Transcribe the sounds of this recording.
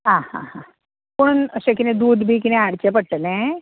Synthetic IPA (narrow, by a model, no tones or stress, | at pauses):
ɦãhã̰hã | poɽ̃unəɕẽkinẽd̪uːd̪bʱiːkinẽaɽt͡ɕepəɽʈəlẽ